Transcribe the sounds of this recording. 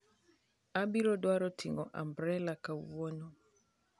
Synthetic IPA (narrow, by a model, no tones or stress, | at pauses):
abiɾɔdwaɾɔtʰiŋɡɔ̰ʔa̰mbɾɛlakauwɔnɔ